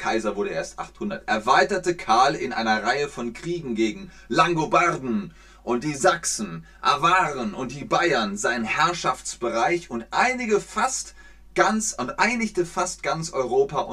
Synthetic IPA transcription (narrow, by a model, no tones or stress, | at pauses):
kʰaɪzɐvʊɐɾəʔḛːɐstʔa̰χthʊndɐtʔɛɐvaɪtɐtəkʰaɐlɪnʔa̰ɪnɐʁaɪəfɔnkʁ̥iːɡŋ̩ɡeːɡŋ̩ | laŋɡobaʁdn̩ | ʔʊnt̚d̥iːzaksn̩ | ʔa̰vaːʁənʔʊnt̚d̥iːbaɪɐnzaɪənhɛɐʃaft͡sb̥əʁaɪçʊntʔaɪnɪɡəfast | ɡ̥ant͡sʊntʔaɪnɪçtəfast̚ɡ̥ant͡sʔɔʏʁoːpaʊ